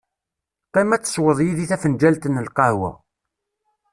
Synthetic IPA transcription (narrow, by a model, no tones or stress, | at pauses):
qɑmæt͡sːə̥swəðˤjiðiθæfənd͡ʒælt̪ənːəlqɑhwæ̰